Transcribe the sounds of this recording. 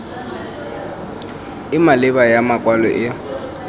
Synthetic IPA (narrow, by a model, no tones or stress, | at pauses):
ɪmalɪbajamakʼwalɔ̰ʔɪ